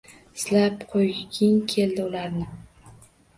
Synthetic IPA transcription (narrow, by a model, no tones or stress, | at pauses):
ɪslapqʰojɡʲɪŋkʲʰe̞ld̪ɪʊlaɾnɪ